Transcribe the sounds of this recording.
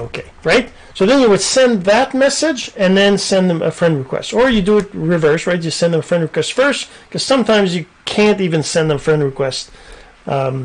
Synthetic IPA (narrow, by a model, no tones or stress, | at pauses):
oʊkʰeɪɹaɪt̚ | soʊðɨ̃njɨwɨd̥sɛ̃nðɨt̚mɛsɪd͡ʒɨ̃nðɨ̃nsɛ̃nðɨ̃mʔɨ̰fɹʌ̃nd̚ɹɨkʰw̥ɛ̰stə˞jɨdɨɨt̚ɹɨvɜ˞sɹaɪtjɨsɛ̃nðə̃məfɹʌ̃ndɹɨkw̥ɛstfɜ˞st | kʰʌz̥sʌ̃mtʰãɪ̃mzjɨ | kʰæ̃ntivɨ̃nsɛ̃nðə̃mfɹɛ̃ndɹɨkʰw̥ɛst̚